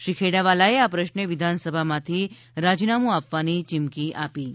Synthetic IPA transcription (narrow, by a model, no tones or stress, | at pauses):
ʃɾikʰeɽaʋalaeapɾəʃneʋɪd̪ʱansəbʱamãt̪ʰi | ɾad͡ʒnamũapʋanit͡ʃɪmkiʔapi